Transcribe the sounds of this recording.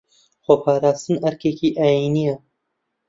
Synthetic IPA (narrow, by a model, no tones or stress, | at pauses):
xopʰaːɾaːst̪ɨnɐɾkeːkiːʔaːjiːnijɛ